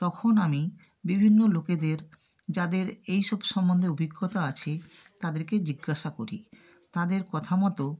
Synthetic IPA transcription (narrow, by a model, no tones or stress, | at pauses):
t̪ɔkʰonami | bibʱinːoloked̪eɾ | d͡ʑad̪eɾejʃɔbʃɔmːond̪ʱeobʱiɡːot̪aat͡ɕʰet̪ad̪eɾked͡ʑiɡːaʃakoɾi | t̪ad̪eɾkɔt̪ʰamɔt̪o